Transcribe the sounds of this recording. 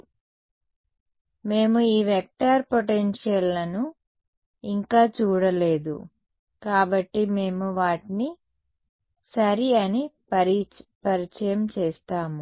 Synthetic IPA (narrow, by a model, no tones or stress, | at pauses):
me̞ːmuiːʋek̚ʈaːɾpoʈenʂjɐlːɐnu | iŋkaːt͡ʃuːɽɐleːd̪ṵ | kaːbɐʈːime̞ːmuʋaːʈini | sɐɾiɐni | pɐɾit͡ʃɐjɐmt͡ʃeːst̪aːmu